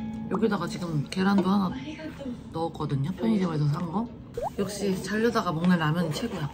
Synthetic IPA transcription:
joɡidaɡat͡ɕiɡɯmke̞ɾandoɦana | nʌːk͈ʌdɯɲʌpʰʌɲid͡ʑemaɭs̬ʰʌs̬ʰaŋŋɡʌ | jʌk̚ɕ͈it͡ɕaʎːʌdaɡamʌŋnaɭnamjʌnɯnt͡ɕʰe̞ɡuja

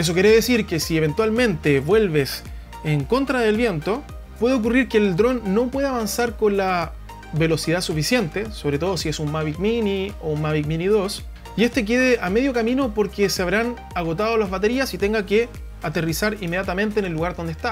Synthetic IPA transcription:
es̬o̞k̬eɾeðesiɾkesieβ̞e̞nt̪walmẽ̞nt̪eβwe̞lβes | eŋko̞nt̪ɾaðe̞lβje̞nt̪o | pwe̞ðeok̬uriɾkeːld̪ɾo̞nːo̞pwe̞ð̞eaβansaɾko̞nla | βe̞lo̞sið̞asufisje̞nt̪eso̞βɾet̪o̞ð̞o̞sie̞sunmaβik̚miniounmaβik̚miniðo̞s | ie̞st̪e̞k̬e̞ðeʔame̞ðjokamino̞po̞ɾkeseaβɾan | aɣo̞t̪að̞olazβat̪e̞ɾiasit̪e̞ŋɡake | at̪erisaɾimːe̞ðjat̪amẽ̞nt̪eːnelːuɣaɾðo̞nd̪ehst̪a

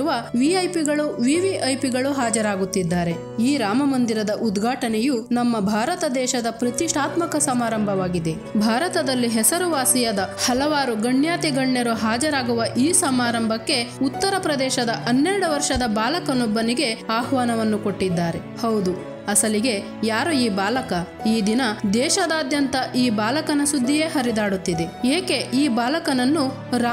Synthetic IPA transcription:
uʋɐʋiɐjpiɡɐɭuʋiʋiʔɐjpiɡɐɭuɦaːd͡ʒɐɾaːɡut̪ːid̪ːaːɾe̞ | iːɾaːmɐmɐnd̪iɾɐd̪ɐʔud̪ɡʱaːʈɐnɛjunɐmːɐbʱaːɾɐt̪ɐd̪ɛːʃɐd̪ɐpɾɐt̪iʂʈʰaːt̪mɐkɐsɐmaːɾɐmbʱɐʋaːɡid̪e̞ | bʱaːɾɐt̪ɐd̪ɐlːiɦɛsɐɾuʋaːsijɐd̪ɐhɐlɐʋaːɾuɡɐɳjaːt̪iɡɐɳːjɐɾuɦaːd͡ʒɐɾaːɡuʋɐʔiːsɐmaːɾɐmbʱɐkːe̞ut̪ːɐɾɐpɾɐd̪ɛːʃɐd̪ɐʔɐnːɛɾɐɽuʋɐɾʃɐd̪ɐbaːlɐkɐnubːɐniɡe̞aːhʋaːnɐʋɐnːuko̞ʈːid̪ːaːɾe̞hɐwd̪u | ɐsɐliɡe̞ | jaːɾuiːbaːlɐkɐ | iːd̪inɐd̪ɛːʃɐd̪aːd̪jɐnt̪ɐʔiːbaːlɐkɐnɐsud̪ʱːijeːɦɐɾid̪aːɽut̪ːid̪e̞eːke̞ʔiːbaːlɐkɐnɐnːu | ɾ

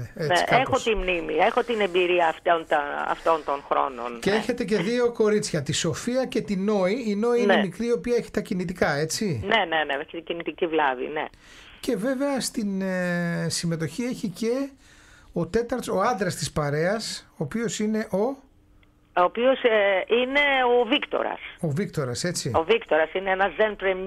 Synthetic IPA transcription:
eeʔexot̪imnimiexot̪ine̞mbiɾiɐːft̪ont̪ɐɐ̰ft̪o̞nt̪onxɾo̞̰no̞̰nceeçe̞t̪e̞ce̞ðio̞ko̞ɾit͡sçɐt̪iso̞fiɐce̞t̪ino̞iːno̞iineemikɾiio̞piɐeçi̥t̪ɐcinit̪ikɐe̞t͡sine̞ne̞neeçt̪iɟinit̪icivlɐvḭnḛ | ce̞ve̞ve̞ɐst̪in | sime̞t̪o̞çie̞çice̞ | o̞t̪e̞t̪ɐɾt̪so̞ɐnd̪ɾɐst̪ispɐɾe̞ɐsoːpio̞sine̞ʔo̞ | oːpioseine̞ovikt̪o̰ɾɐ̰sovikt̪o̞ɾɐse̞t͡siovikt̪oɾɐsineenɐzenp̪ɾem

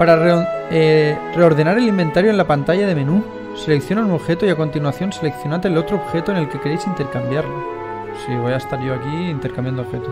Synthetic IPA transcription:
paɾareere̞o̞ɾð̞e̞naɾe̞limbe̞nt̪aɾjoenlapant̪aʎað̞e̞mẽ̞nu | se̞le̞kθjo̞nanwoβxe̞t̪oiako̞nt̪inwaθjo̞nse̞lekθjo̞nat̪elot̪ɾooβxe̞t̪oene̞lke̞keɾe̞jsint̪e̞ɾkambjaɾlo | siβ̞o̞jaest̪aɾʝo̞akiint̪e̞ɾkambjanoβxe̞t̪o

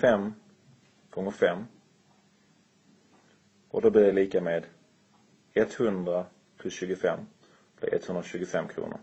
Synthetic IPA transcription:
fɛmː | kɔŋːəfɛmː | ʔɔd̪ob̪iːdɛliːkameːd̪ | ɛt̪hɵnd̪ɾa | pʰlɵsɕʉ̟ːɡʊfɛmː | blɪ̰ʔɛ̰t̪hɵnd̪ɾaɕʉ̟ːɡʊfɛmːkʰɾṵːnʊ̰ɾ

